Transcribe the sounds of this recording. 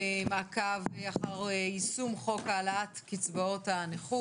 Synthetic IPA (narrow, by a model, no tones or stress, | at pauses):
emakaveaχaʁisumχo̞kalaatkit͡sbaotaneχu